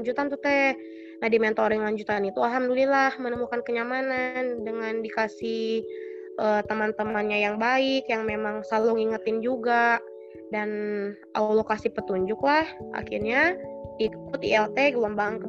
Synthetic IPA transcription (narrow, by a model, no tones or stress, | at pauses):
ɲd͡ʒut̪ant̪ut̪ɛ | nadimɛnt̪oɾɛŋlaɲd͡ʒut̪anit̪uaɦamdulilahmənəmukankəɲamanandəŋandikasih | ʔət̪əmant̪əmanɲajaŋbaɪkjaŋmemaŋsalʊŋiŋət̪ɪnd͡ʒuɡaʔ | dan | ʔa̰wlokasipət̪uɲd͡ʒʊklahʔa̰kḭrɲaikʊt̪̚ḭɛlt̪eɡuaŋbaŋkə